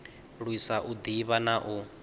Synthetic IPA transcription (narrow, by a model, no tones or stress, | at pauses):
ɺwisaʔud̪iβanaʔu